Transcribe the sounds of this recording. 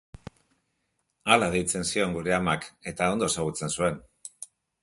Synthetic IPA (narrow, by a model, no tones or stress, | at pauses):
alaðejt͡se̞nsio̞ŋɡuɾeamake̞t̪ao̞nd̪o̞esaɣ̞ut͡se̞nsue̞n